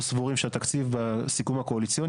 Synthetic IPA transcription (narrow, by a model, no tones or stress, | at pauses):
svuʁimʃeat̪akt͡sivbasikumhako̞alit͡sio̞n